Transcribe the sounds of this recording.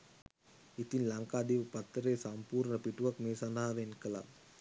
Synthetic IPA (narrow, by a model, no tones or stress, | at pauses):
it̪inlaŋkaːd̪iʋəpat̪ːəɾeːsampuːɾnəpiʈuʋakmeːsanaːʋenkəla̰